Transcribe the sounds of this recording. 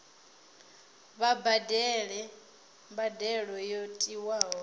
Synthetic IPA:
βabadɛɺɛ | mbadɛɺɔjotʼiwaːɦɔ

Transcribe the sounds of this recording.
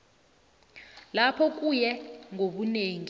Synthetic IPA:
lapʰɔk̬ʼujɛŋʱoɓuneːŋi

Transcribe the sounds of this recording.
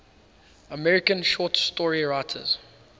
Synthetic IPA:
əmɛɹɪkə̃nʃɔːˑtstɔɹiɹaɪtʰə̰z̥

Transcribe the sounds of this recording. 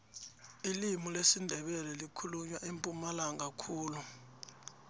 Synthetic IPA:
ilimulesindʱɛɓɛlɛlikʰuluɲwaʔempʼumalaŋɡʱakʰuːlu

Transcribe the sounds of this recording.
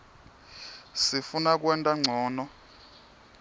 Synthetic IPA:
sifunak̬ʼwɛntʼaŋ͡ǀʱɔːnɔ

